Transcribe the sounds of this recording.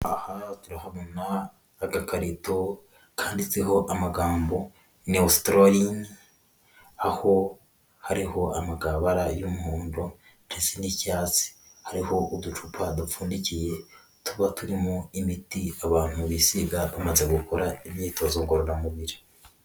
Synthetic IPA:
ahatuɾahaβonaː | ɡakaɾito | kʰaːndit͡siɦo̞ʔamaɡaːmbo̞ | neustɾoɾini | aho̞ | haɾiho̞amaɡaβaɾajumuhuːndo | n̥esenicaːt͡si̥haɾiho̞ʔudut͡ʃupʰadufuːndicije̞ | tuβatuɾimoimitiaβaːn̥huβisiɡaβamaze̞ɡukoɾaimɲiːtozoɡoɾoɾamuβiɾi

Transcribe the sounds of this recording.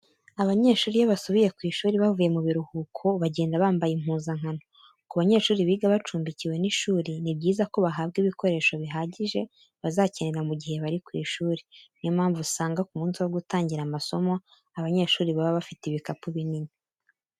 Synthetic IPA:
aβaɲe̞ːʃuːɾijaβasoβije̞kwiːʃuːɾiβavuje̞muβiɾuhuːkʰoβaɟe̞ːndaβaːmbajim̥huːnzaŋ̥ano | kuβaɲe̞ːʃuːɾiβiːɡaβat͡ʃuːmbiciwe̞niʃuːɾinib̚ɟiːzako̞βaɦaːbɡiβiko̞ɾe̞ːʃo̞βiɦaːɟiʒe̞ | βazaceneɾamuɟihe̞βaɾikwḭːʃuːɾinimaːɱvusaːŋɡakumuːnsiwoɡutaːɲɟiɾamaso̞mo̞ | aβaɲe̞ʃuːɾiβaβaβafitiβikapuβinini

